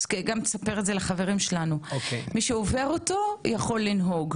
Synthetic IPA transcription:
skeɡamsapeʁetzelaχave̞ʁimʃelanuokemiʃeove̞ʁoto̞jaχo̞lːinɦo̞ɡ

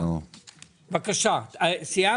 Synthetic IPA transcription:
vakaʃaasija

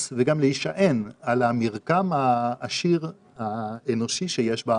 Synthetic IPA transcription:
veɡamleiʃaʔenalamiʁkamaːʃiʁ | haeno̞ʃiʃejeʃba

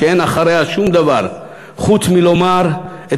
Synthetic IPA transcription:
eenaχaɾehaʃumd̪avaʁ | χut͡smilomaʁ | e

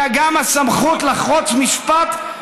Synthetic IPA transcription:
aɡamasamχut̪laχot͡smiʃpat̪

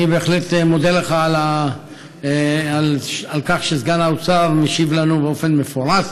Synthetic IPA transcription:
ibeːχletmod̪eleχaːla | alalkaχʃezɡanaot͡savmeʃivlanubeo̞fe̞nme̞foʁas

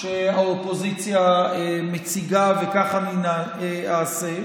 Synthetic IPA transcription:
ʃeaopozit͡sjaemet͡siɡavekaχanina | aːse

